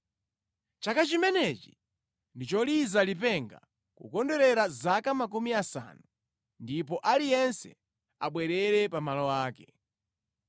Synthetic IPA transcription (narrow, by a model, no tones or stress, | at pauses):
t͡ʃakat͡ʃimɛnɛt͡ʃi̥ | ndit͡ʃɔlizalipɛŋɡa̰ | kṵkɔndɛɾɛɾazakamak̬umiasa̰nu | ndip̬ɔʔalijɛnsɛ | aɓwɛɾɛɾɛpamalɔwaːkɛ